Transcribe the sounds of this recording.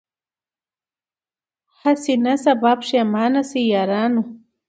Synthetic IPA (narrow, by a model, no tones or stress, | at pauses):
hasinasabapʂemaːnasijaɾanu